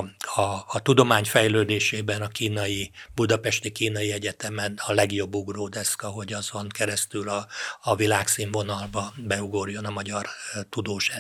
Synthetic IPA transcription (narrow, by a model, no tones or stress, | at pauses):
ɒːt̪ud̪o̞maːɲfɛjløːd̪eːʃeːbɛnɒkiːnɒjibud̪ɒpɛʃt̪ikiːnɒjiɛɟɛt̪ɛmɛnɒlɛɡjo̞bːuɡroːd̪ɛskɒɦo̞ɟɒzoŋkɛɾɛst̪ylɒːvilaːksiɱvo̞nɒlbɒbɛuɡo̞rjo̞nɒmɒɟɒrt̪ud̪oːʃa